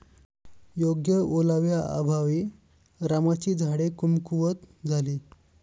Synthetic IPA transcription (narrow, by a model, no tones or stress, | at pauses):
joɡjəolaʋjaa̰bʱaʋiː | ɾamat͡ɕiːd͡zʱaɽekumkuʋət̪d͡zʱaliː